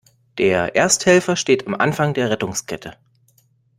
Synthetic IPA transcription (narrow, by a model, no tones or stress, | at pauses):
d̥eːɐʔḛːɐsthɛlfɐʃteːtamʔa̰nfaŋdeːɐʁɛtʊŋskʰɛtʰə